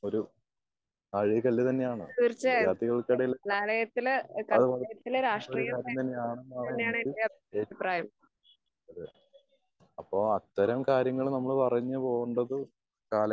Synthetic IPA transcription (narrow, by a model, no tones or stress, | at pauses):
o̞ɾu | ɐɻikɐlːɨt̪ɐnːe̞jaːɳɨ̰t̪iːrt͡ɕːɐaːt̪ːiɣɐɭkɐɽɐjilːɐlːaːlɐjɐt̪ːilkɐɐðɨpɐɐjɐt̪ːilɾaːʂʈoriɾujɐkaːɾjjɐmt̪ɐnːeaːɳɐnːanːejaːɳeeɐbʱ | ɐbʱipraːjɐ | ɐðe | ɐpːoːɐt̪ːɐɾɐmkaːɾjɐŋːɐɭnɐmːɐɭpɐrɐɲːɨpo̞ːɣuɳɖɐðɨ | kaːlɐ